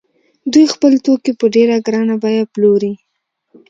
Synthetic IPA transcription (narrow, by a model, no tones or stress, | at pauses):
d̪ujxpəlt̪okepəɖeɾaɡɾɑnabɑjaploɾi